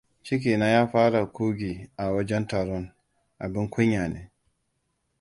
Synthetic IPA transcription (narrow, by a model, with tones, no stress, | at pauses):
t͡ʃi˦k̬i˨na˦ja˦faː˦ɾa˨ku˦ɡi˨ʔa˨wa˦d͡ʒa˦nta˨ɾɔ˦n | ʔa̰˨bi˦nkʰɔ˦ɲa˨nɛ˨